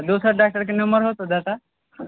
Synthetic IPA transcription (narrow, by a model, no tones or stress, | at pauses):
d̪osəɾɖak̚ʈəɾkinəmbəɾɦot̪od̪at̪a